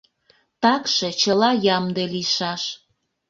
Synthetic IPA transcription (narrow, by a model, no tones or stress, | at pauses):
t̪ɑkʃet͡ɕəlɑjɑmd̪eliʃɑʃ